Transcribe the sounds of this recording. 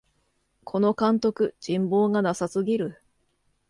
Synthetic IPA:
kʰo̞no̞kãnt̪o̞kɯ̟d͡ʑĩmbo̞ːɡanasasɨɡʲiɾɯ̟

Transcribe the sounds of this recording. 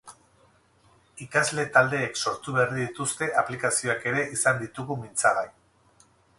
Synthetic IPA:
ikazle̞t̪ald̪e̞ːkso̞ɾt̪uβerðiðit̪ust̪e̞ʔaplikasio̞ake̞ɾe̞ʔisand̪it̪uɣumint͡saɣaj

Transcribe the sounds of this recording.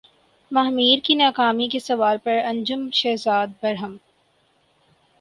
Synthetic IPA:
mɐɦmiːɾkinaːkaːmikesɐʋaːɾpɐɾɐ̃ɲd͡ʒʊmʃɛːɦzaːd̪̚bɐɾɦəm

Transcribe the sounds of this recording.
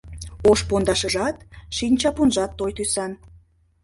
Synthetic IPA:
oʃpond̪ɑʃəʒɑt̪ʃinʲt͡ɕɑpunʒɑt̪ːojt̪ysɑn

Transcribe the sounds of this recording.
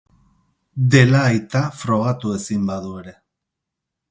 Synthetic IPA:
d̪e̞laːjt̪afɾo̞ɣat̪ue̞simbaðue̞ɾe̞

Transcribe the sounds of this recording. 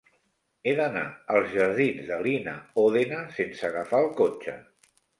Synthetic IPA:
eðənaəlˠzʒəɾð̞inzðəlinəoðenəsensəɣəfaəlˠkot͡ʃə̰

